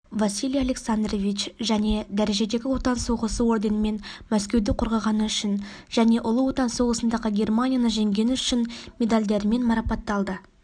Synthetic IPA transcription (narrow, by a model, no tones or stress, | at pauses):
vasʲilʲijalʲe̞ksand̪rovʲit͡ʃʒæne̞d̪æɾe̞ʒe̞d̪e̞ɡʲɪwo̞t̪ɑnso̞ʁəsəo̞rd̪e̞nəme̞nmæskʲe̞wd̪ɪqʰoɾʁɑʁɑnəʏʃɪn | ʒ̥æne̞ʔʊlˠəwo̞t̪ɑnso̞ʁəsənd̪ɑʁəɡʲe̞rmanʲijanəʒe̞ŋɡʲe̞nɪʏʃɪnmʲe̞d̪alʲd̪e̞ɾme̞nmɑɾɑpɑt̪ːɑlˠd̪ə